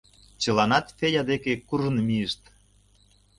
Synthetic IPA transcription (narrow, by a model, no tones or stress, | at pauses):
t͡ɕə̆lɑnɑt̪fejɑd̪ekekurʒə̆nmiəʃt̪